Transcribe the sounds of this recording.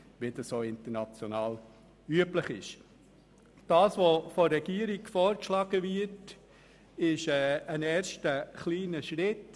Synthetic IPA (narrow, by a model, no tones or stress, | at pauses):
ʋɪd̥əssoːɪntəɾnɑt͡sjonɑːl | yəpləχɪʃ | d̥ɑːsʋofoɾɛɡ̥iːəɾiɡfɔːɾkʃlɑːɡəvɪɾt | ɪʃɛːənɛːʃtəχliːnəʃɾɪt